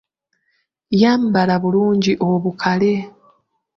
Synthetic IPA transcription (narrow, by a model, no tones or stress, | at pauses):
jaːmbalaβuluːɲɟiʔo̞βukʰale̞